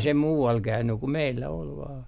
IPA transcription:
se muːɑl kæynːy ku meilːæ ol ʋɑːn

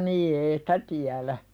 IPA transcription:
niː ei sĭ̥tæ tiælæ

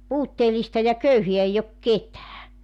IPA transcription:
puːtːeːlistɑ jɑ køyheæ eij ok ketæː

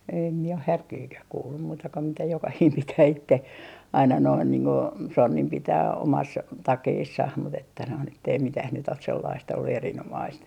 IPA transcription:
em mie oh hærkiːkæh kuːlːum muːtɑ ko mitæ jokɑhiːm pitæː itːe ɑinɑ noin niːŋ ko sonːim pitæː omɑs tɑkeːsːɑh mut etːæ noin etːei mitæh nyt os selːɑist olːu erinomɑist

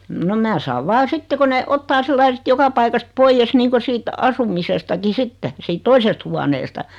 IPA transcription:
no mæː sɑːʋ ʋɑː sitːe ko ne otːɑː silːɑi sĭt jokɑ pɑikɑst poijːes niːŋko siːt ɑsumisestɑki sitːe siːt toisest huɑneːstɑ

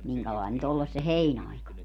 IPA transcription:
miŋkælɑin nyt olːes se heinɑikɑ

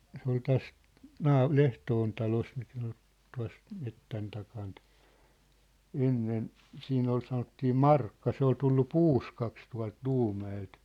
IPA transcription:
se ol tæs nɑː lehtoːn tɑlos mikæ o̥n̥ tuɑ̝s metːæn tɑkɑːnt enːen siːn ol sɑnotːiː mɑrkːɑ se ol tulːu puːskɑks tuɑ̝lt luːmæelt

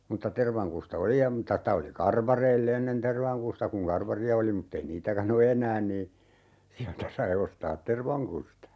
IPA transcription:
mutːɑ terʋɑŋkustɑ oli jɑ mŭtːɑ stɑ oli kɑrʋɑreilː enːen terʋɑŋkustɑ kuŋ kɑrʋɑriɑ oli mutːei niːtækæn o enˑæːn niː siæltæ sɑi ostɑːt terʋɑŋkustɑ

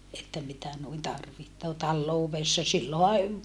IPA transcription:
etːæ mitæ nuin tɑrʋihtoː tɑlːouʋesːɑ silːohɑ

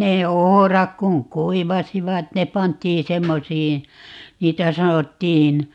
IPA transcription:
neː ohorɑk kuŋ kuiʋɑsiʋɑt ne pɑntˑiː semːosiːn̞ niːtæ sɑnotːiːn

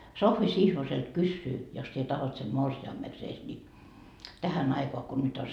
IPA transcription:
sohʋi sihʋoselt kysːyː jos sie tɑhot sem morsiɑmːekseːs ni tæhæn ɑikoɑ ko nyt o

